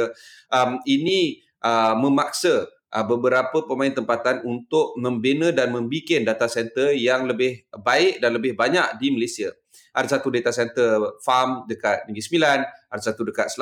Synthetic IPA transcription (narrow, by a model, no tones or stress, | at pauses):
ʔəmini | ʔəməmak̚sə | ʔəbəbəɾapəpəmaɪnt̪əmpat̪anunt̪ʊʔ̚mə̃mbenədanmə̃mbikɪndat̪asɛnt̪ərjaŋləbɪhbaɪk̚danləbɪhbaɲak̚diməlesiə | aɾisat̪udet̪asɛnt̪ərfamdəkat̪̚niŋɡisəmilanaɾisat̪udəkat̪̚sl